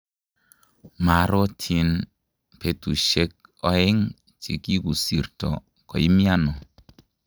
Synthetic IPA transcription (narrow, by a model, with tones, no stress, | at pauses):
ma˨ɾɔ˦tʰi˧n | pe˨tu˨ʃe˦k̚ɔ˦ɪ˦ŋ | t͡ʃḭ˨ki˦ku˨si˨ɾtɔ̰˨ | kɔ̰˨i˦mi˦a˦nɔ˨